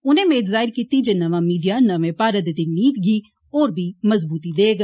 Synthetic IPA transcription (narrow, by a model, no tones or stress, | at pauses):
ʊnẽːmẽːt̪zaːɪɾkiːt̪iːd͡ʒenəʋãːmiːɖijaːnəʋẽːpaːɾət̪d̪iːmiːd̪ɡiː | oːɾbʱiːməzbuːt̪iːd̪eːɡ